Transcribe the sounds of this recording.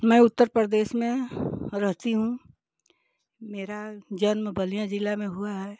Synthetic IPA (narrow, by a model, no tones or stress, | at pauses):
mɛ̃ːʊt̪ːəɾpɾəɾd̪eːʃmẽɾəɦt̪iɦũ | meːɾad͡ʒənmbʱəlijãd͡ʒɪlamẽɦuaɦɛː